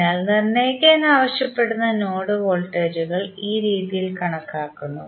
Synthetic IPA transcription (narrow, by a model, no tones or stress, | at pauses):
aːlnɐnːe̞ːkːeenːɨaːʋɐɕjɐpːe̞ɽunːɐno̞ːɽɨʋo̞ːɭʈːeːɾuɣɐɭiːɾiːðijilkɐɳɐkːaːkːunːu